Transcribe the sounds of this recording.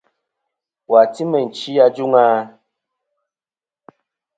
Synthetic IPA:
wa˨ti˦mɛ˨n̩˨t͡ʃi˦ja˦d͡ʒu˦ŋaː˦

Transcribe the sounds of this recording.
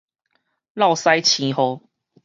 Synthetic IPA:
la˥˨ʊsa˦jt͡ɕʰĩ˨˦ho˧˦

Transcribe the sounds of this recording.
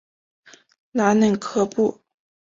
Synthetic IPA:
la˧˥nə˥˩nkʰɤ˥pu˥˩

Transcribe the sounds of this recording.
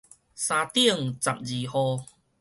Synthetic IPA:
sãː˧t̪i˦˥˧əŋt͡sa˨˩p̚d͡ʑi˨˩hɔ˧

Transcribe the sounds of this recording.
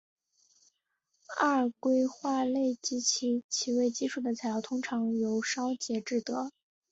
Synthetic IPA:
a˥˩ɻkwe˥ɪxwa˥˧le˥˩ɪt͡ɕi˧˥t͡ɕʰi˧˥t͡ɕʰi˧˥we˥˩ɪt͡ɕi˥ʂʰu˥˩d̪ə˩t͡sʰa˨˥ɪjɑ˥˩ʊt̪ʰʊ˥ŋʈ͡ʂʰɑ˧˥ŋjo˧˥ʊʂɑ˥ʊt͡ɕjɛ˧˥ʈ͡ʂɻ̩˥˩t̪ɤ˧˥

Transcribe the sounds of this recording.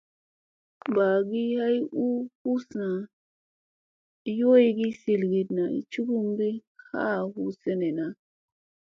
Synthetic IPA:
ba˨ɡi˦ha˦ju˦hu˦sna˨˦ | jo˦jɡi˦si˨lɡi˨dna˨ḭ˨t͡ʃu˦ɡu˦mbi˦ka̰˦˨hu˦se˦ne˨na˨

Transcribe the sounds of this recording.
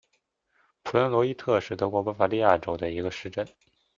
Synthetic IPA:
pʰu˨˩lə˧˥nlwɔ˧˥i˥t̪ʰɤ˥˧ʂɻ̩˥˩t̪ɤ˧˥kwɔ˧˥pa˥fa˧˥li˥˧ja˥˩ʈ͡ʂo˧˥ʊd̪ə˧i˧˥ɡə˧ʂɻ̩˥˧ʈ͡ʂə˥˩n

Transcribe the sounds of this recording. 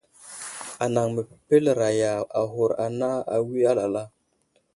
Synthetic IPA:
a˨na˨ŋmə˨pe˦lɾa˨ja˨a˨ɦo˨ɾa˨na˦a̰˨wi˦a˦la˨la˦

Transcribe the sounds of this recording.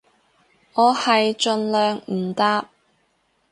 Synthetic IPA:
ŋɔː˨˧hɐ˨jt͡ʃɵ˧nlœː˨ŋm̩˨˩t̪aː˥p̚

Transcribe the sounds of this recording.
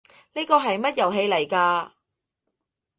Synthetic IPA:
neː˥kɔː˧ɦɐ˨jmɐ˥t̚jɐ˨˩wɦe˧jle˨˩jkaː˧

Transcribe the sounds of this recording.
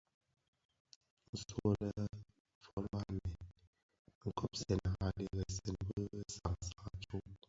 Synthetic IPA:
n̩˦˨so˦lə˦ | fɔ˨ɾɔ˦a˨mɛ˨n | ŋ̩˨kʰɔ˦p̚sɛ˨n˨ha˨lə˨ɣə˨sɛ˨nbə˦sa˨ŋsa˨ŋa˨t͡ʃu˦

